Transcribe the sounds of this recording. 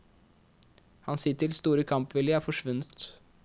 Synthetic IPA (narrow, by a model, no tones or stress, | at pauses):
hɑnsɪːt̪ʰɪlst̪uːɾəkʰɑmpʋɪlɪɑːfɔʂʋʉnːət̪